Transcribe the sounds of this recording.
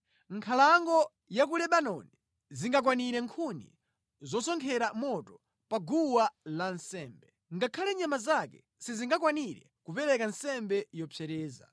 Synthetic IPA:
ŋkʰalaŋɡɔ | jak̬ulɛɓanɔni | ziŋɡak̬waniɾɛŋkʰunḭ | zɔsɔŋkʰɛɾamɔtɔ | paɡuwalansɛːmbɛ | ŋɡakʰalɛɲamazakɛ̰ | siziŋɡakwaniɾɛ̰ | kupɛɾɛkansɛmbɛjɔpʰɛɾɛːza̰

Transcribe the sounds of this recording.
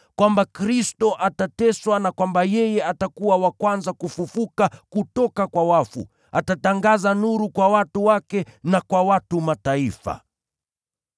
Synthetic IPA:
kwambakɾistɔʔatatɛswanakwambajɛjɛatakuwawakwanzakufufukakutɔkakwawafṵ | atataŋɡazanuɾukwawatuwakɛnakwawatumataifa̰

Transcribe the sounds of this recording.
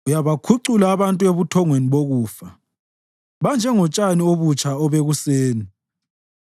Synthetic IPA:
ujaβakʰuǀulaːβantʼueβutʰɔŋweniβoɣuːfa | βand͡ʒʱɛŋɔt͡ʃʼanioβut͡ʃʼʰaɔβeɣuseːni

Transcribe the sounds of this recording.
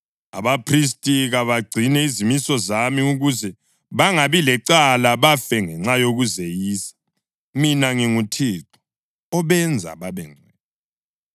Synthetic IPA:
a̰βapʰris̬tʼiɣaβaɡ͡ǀʱinɛizimisɔzamiuɣuzɛ | βaŋaβilɛǀalaβafɛŋɛŋ͡ǁajoɣuzejiːsḁ | minaŋiŋutʰiːǁu̥ | ɔβɛnd͡zʱa̰βaβɛŋ͡ǀʱɛːnɔ

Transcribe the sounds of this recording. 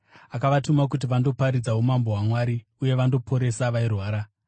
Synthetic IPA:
akaʋatumak̬ut̬iʋando̞paɾid͡zaɦumambo̞ɦwamwaɾi | uje̞ʋando̞pʰo̞ɾe̞saʋairwaːɾa

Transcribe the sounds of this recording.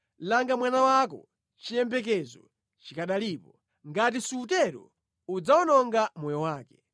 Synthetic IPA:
laŋɡamwanawakɔ̰ | t͡ʃijɛmbɛk̬ɛzɔ | t͡ʃikaɗaliːpɔ | ŋɡat̬isuːtɛɾɔ̰ | ud͡zawɔnɔŋɡamɔjɔwaːkɛ̥

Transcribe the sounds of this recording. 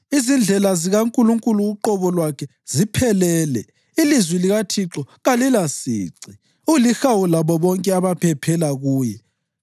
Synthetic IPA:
izind͡ɮʱɛlaziɣaŋkʼuluŋkʼuluːǃɔβɔlwakʰɛ | z̥ipʰɛlɛːlɛ | ilizwiliɣatʰiǁɔɣalilasḭːǀi | ulixawulaβɔβɔŋkʼɛaβapʰɛpʰɛlaɣuːjɛ

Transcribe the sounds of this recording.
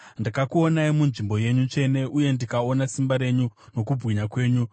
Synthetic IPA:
ndakakuonaimunʐimbo̞je̞ɲut͡ʂe̞ne̞ʔuje̞ndikao̞nasimbaɾe̞ɲuno̞kubʱɣiɲakwe̞ːɲu

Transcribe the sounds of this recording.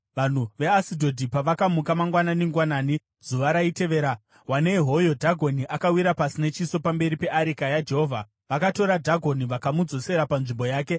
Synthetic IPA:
ʋan̤uʋe̞asidʱo̞dʱipaʋakamukamaŋɡwananiŋɡwanaːni | z̥uʋaɾaite̞ʋe̞ːɾa | wane̞iɦo̞jo̞dʱaɡʱo̞niʔakawiɾapasine̞t͡ʃiso̞pambe̞ɾipe̞ʔaɾikajad͡ʒe̞ɦo̞ːvʱa | ʋakato̞ɾadʱaɡʱo̞niʋakamud͡zo̞se̞ɾapanʐimbo̞jaːke̞

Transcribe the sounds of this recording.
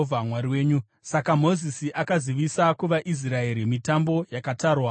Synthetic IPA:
vʱamwaɾiwe̞ːɲu | sakamo̞zisiʔakaziʋisakuʋaʔis̬rae̞ɾimitambo̞jakataːrwa

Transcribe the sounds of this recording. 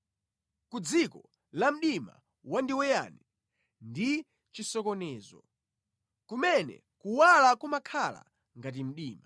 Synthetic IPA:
kud͡zikɔ | lam̩ɗima̰ | wandiwɛja̰nɛ | ndi | t͡ʃisɔkɔnɛːzɔ̰ | kumɛnɛ̰ | kuwalakumakʰala̰ | ŋɡat̬im̩ɗiːma

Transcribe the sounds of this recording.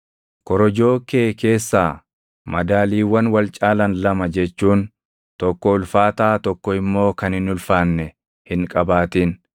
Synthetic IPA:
kɔɾɔd͡ʒo̞ːkeːke̞ːsːaː | mɐd̪aːliːwɐnwɐlt͡ʃʼaːlɐnlɐmɐd͡ʒɛt͡ʃːuːn | t̪ɔkːɔʊlfaːt̪aːt̪ɔkːɔɪmːo̞ːkɐnhɪnʊlfaːnːɛ | hɪŋkʼɐbaːt̪iːn

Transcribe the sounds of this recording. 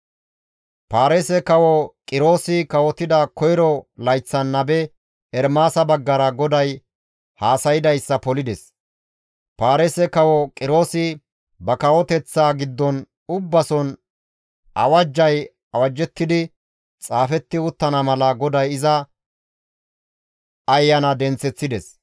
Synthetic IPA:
paːɾesɛkɐwɔkʼɪɾo̞ːsɪkɐwɔt̪ɪd̪ɐkɔjɾɔlɐjt͡sːɐnːɐbɛ | ɛɾmaːsɐbɐɡːɐɾɐɡɔd̪ɐj | haːsɐjɪd̪ɐjsːɐpɔlɪd̪ɛs | paːɾesɛkɐwɔkʼɪɾo̞ːsɪ | bɐkɐwɔt̪ɛt͡sːaːɡɪd̪ːɔn | ʊbːɐsɔn | ʔɐ̰wɐd͡ʒːɐj | ɐwɐd͡ʒːɛt̪ːɪd̪ɪ | t͡sʼaːfɛt̪ːɪʊt̪ːɐnɐmɐlɐɡɔd̪ɐjɪzɐ | ɐjːɐnɐd̪ɛnt͡sːɛt͡sːɪd̪ɛs

